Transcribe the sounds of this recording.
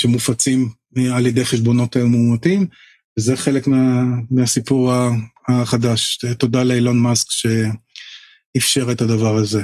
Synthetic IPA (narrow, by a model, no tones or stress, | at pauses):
ʃemufat͡sim | aljed̪ejχeʃbo̞no̞tajumːuːmatim | vezeχe̞le̞kmeamiasipuʁaaχadaʃto̞dalelonmaskʃe̞ | ifʃe̞ʁetadavaʁaze